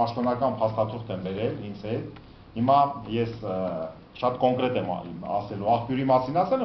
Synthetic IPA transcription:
ɑʃt̪ɔnɑkɑnpʰɑst̪ɑt̪ʰuχt̪ɛmbɛɾɛlhint͡sʰɛt̪ | himɑjɛs | ʃɑt̪kɔŋkɾɛt̪ɛmɑ̰sɛluɑχpjuɾimɑsinɑsɛl

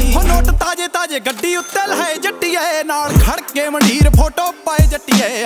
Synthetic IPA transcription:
ɦonoːʈt̪aːd͡ʒeːt̪aːd͡ʒeːɡəɖːiːʊt̪ːeːlɦəed͡ʒəʈːijɛːnaːlkʰəɽkeːməɳiːɾpʰoːʈoːpːəeːd͡ʒəʈːiɛː

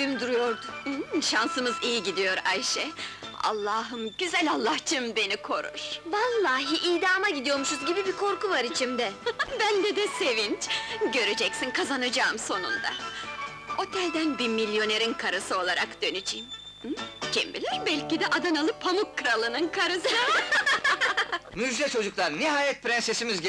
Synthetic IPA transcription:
ymd̪yɾyjo̞ɾd̪ʊʃansɯmɯzijiɟid̪ijo̞ɾajʃɛa̰lˠːaɦɯmɟyzælʲalˠːaht͡ʃʰɯmbe̞nikʰo̞ɾṵɾ̥valˠːaːɦiʔijd̪aːmaɟid̪ijo̞ɾmuʃuzɟibibikʰo̞ɾkuvaɾit͡ʃʰimd̪ɛbænd̪ɛd̪ɛse̞vint͡ʃɟø̞ɾed͡ʒɛcsinkʰazanad͡ʒaːɯmso̞nṵnd̪a̰ | o̞t̪ʰɛlʲd̪ænbimilʲjo̞ne̞ɾinkʰaɾɯsɯo̞lˠaɾakd̪̥ø̞nyd͡ʒḭːm | d͡ʒɛ̰mbilʲæɾbælʲcid̪ɛʔad̪analˠɯpʰamukʰːɯɾalˠɯnɯnkʰaɾɯsɯ | myd͡ʒd̪ɛt͡ʃʰo̞d͡ʒuklˠaɾniɦaːjɛt̪̚pɾɛnsesimiz

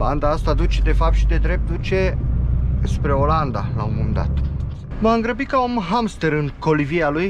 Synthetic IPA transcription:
la̰nd̪aast̪ad̪ut͡ʃe̞d̪e̞fap̚t̪ʃid̪e̞d̪ɾe̞p̚t̪̚d̪ut͡ʃe̞ | spɾe̞o̞land̪alaumumd̪a̰t̪ | maɨŋɡɾəbikaomɦamst̪e̞ɾɨŋko̞livialuj

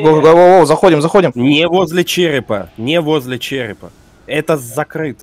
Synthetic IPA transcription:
ɡoɡowowowzɐxodʲɪmzɐxodʲɪmnʲɪvo̞zʲlʲɪt͡ɕeɾʲɪpə̰nʲɪvo̞zʲlʲɪt͡ɕeɾʲɪ̰pə | ɛt̪əzɐkɾɨt̪ə

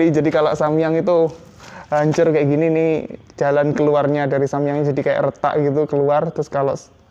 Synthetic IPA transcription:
id͡ʒadikalo̰ʔsamiaŋit̪u | ɦaɲt͡ʃʊrkajaʔɡininɪh | d͡ʒalankəluarɲadaɾisamijaŋɲad͡ʒadikaja̰ʔrət̪a̰ʔɡit̪̬ukəluart̪ɾʊskaloʔ

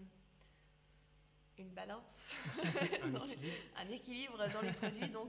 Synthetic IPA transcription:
ynbalɑ̃s | d̪ɑ̃lɛ̰̃nekʲilibʁəd̪ɑ̃lepχɔd̪ɥid̪ɔ̃k

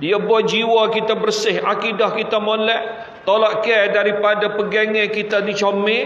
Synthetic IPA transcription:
diabuad͡ʒiwakit̪abərsɪhakidahkit̪amolɛʔ | t̪olaʔkɛdaɾipadapəɡɛŋɛ̃kit̪adit͡ʃome

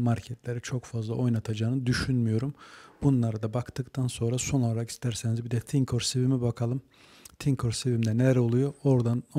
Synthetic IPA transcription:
maɾcʰɛt̪ʰlʲe̞ɾit͡ʃʰokfazlˠa̰ʔo̞jnat̪ʰad͡ʒaːnɯd̪yʃynmyjo̞ɾumbunlˠaɾad̪abakt̪ʰɯkt̪ʰanso̞nɾaso̞nolˠaɾaki̥st̪ʰæɾsenizbid̪ɛt̪ʰiŋkʰo̞ɾsevimibakʰalˠɯm | t̪ʰiŋkʰoɾsevimd̪ɛnɛɾɛolˠujoo̞ɾd̪an

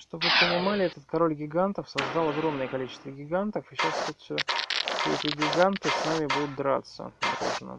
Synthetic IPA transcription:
ʂt̪o̞bvɨpənʲɪmalʲɪɛt̪ət̪kɐɾo̞lʲɡʲɪɡant̪əfsɐzd̪ɑlˠɐɡɾo̞mnəjəkɐlʲit͡ɕɪ̥st̪vəɡʲɪɡant̪əfɨɕast̪ʲut̪sʲosʲɛt̪ʲɪɡʲɪɡant̪ɨsnamʲɪbud̪ʊt̪d̪ɾa̰t̪sə̰d̪ɾo̰ʐɨnə̰

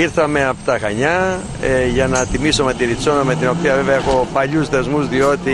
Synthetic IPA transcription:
iɾθɐme̞ɐft̪ɐxɐɲɐ | ʝɐnɐt̪imiso̞me̞t̪iɾiso̞nɐme̞t̪ino̞piɐveveɐexo̞pɐʎusðe̞zmuzðio̞t̪i

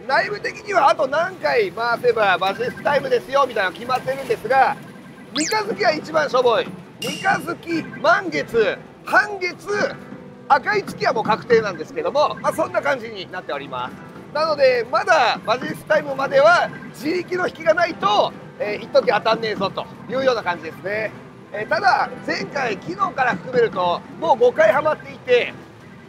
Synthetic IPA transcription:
naimɯ̟t̪e̞kʲiɲ̟iβaːt̪o̞nãŋkaimaːt̪oebabaʑisɨ̥t̪aimɯ̟d̪e̞sɨjo̞mʲit̪ainokʲimat̪ːe̞ɾɯ̟̃nd̪e̞sɨɡa | ɲʲikazɨkʲiɡait͡ɕibãɰ̃ɕo̞bo̞i | ɲikazɨkʲimãŋɡe̞t͡sɨ | hãŋɡe̞t͡sɨ | akait͡sɨ̥kʲiβamo̞ːkakɯ̟̥t̪e̞ːnãnd̪e̞sɨ̥ke̞d̪o̞mo̞masõ̞nːakãɲ̟d͡ʑiɲ̟inat̪ːe̞o̞ɾʲima̰sɨ̥ | nano̞d̪e̞mad̪amaʑiisɨ̥t̪aimɯ̟mad̪e̞βad͡ʑikʲino̞çʲi̥kʲiɡanait̪o̞ | eːit̪ːok̬ʲiat̪anːe̞ːzo̞t̪o̞̰ | jɯ̟ːjo̞ːnakãɲ̟d͡ʑid̪e̞sɨne̞ | et̪ad̪ad͡zẽ̞ŋkaikʲino̞ːkaɾaɸɯ̟kɯ̟me̞ɾɯ̟t̪o̞mo̞ːɡo̞kaihamat̪ːe̞it̪e̞

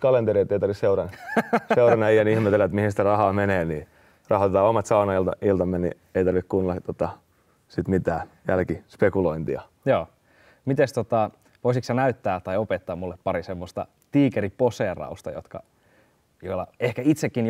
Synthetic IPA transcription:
kɑlent̪eɾiet̪ːeit̪ɑrʋisseuɾɑnsseuɾɑnɑijɑnihmet̪elːæt̪mihinsi̥t̪ærɑhɑːmeneːniː | rɑhot̪et̪ɑːomɑt̪sɑunɑilɑilt̪ɑmːenḭ | eit̪ɑrʋikkunlɑt̪ot̪ɑ | sit̪mit̪æːjælkispekuloint̪iɑ | joː | mit̪est̪ot̪ɑ | ʋoisiksɑnæyt̪ːæːt̪ːɑjopet̪ːɑːmulːeppːɑɾisemːost̪ɑ̰ | t̪iːkeɾiposeːrɑ̰ust̪ɑ̰jot̪kɑ̰ | joilːɑ̰ehkæit̪sekːin

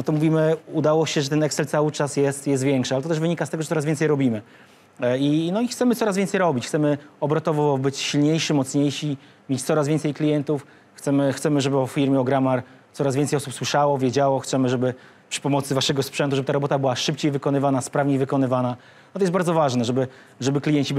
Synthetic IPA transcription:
nɔt̪ɔmuvʲimɘud̪awɔɕɛʐɛt̪ɛnɛksɛlt̪sawɘt͡ʂasjɛst̪jɛs̬t̪vʲjɛŋkʂɨalɛt̪ɔt̪ɛʐvɘɲikast̪ɛɡɔʐɛt̪sɔɾazvʲɛnt̪sɛjɾɔbʲimɘ | inɔixt̪sɛmɘt̪ɔɾasvʲjɛnsɛjɾɔbʲit͡ɕxt̪sɛmɘɔbɾɔt̪ɔvɔbɘt͡ɕɕilɲejʂɘmɔt̪sɲejɕi | mʲet͡ɕt̪sɔɾazvʲjɛnsɛjklʲijɛnt̪uf | xt̪ɛmɘxt̪sɛmɘʐɛbɘɔffʲiɾmʲjɛɔɡɾamaɾ | t̪sɔɾazvʲɛnsɛjɔsupswɘʂawɔvʲjɛd͡ʑawɔxt̪sɛmɘʐɛbɘ | pʂɘ̥pɔmɔt̪sɘvaʂɛɡɔspʂɛnt̪̬uʐɛbɘt̪aɾɔbɔt̪abɘwaʂɘp̚t͡ɕejvɘkɔnɘvanaspɾavɲejvɘkɔnɘvana | t̪ɔjɛsbaɾd̪zɔvaʐnɛʐɛbɘ | ʐɛbɘklʲijɛɲt͡ɕi

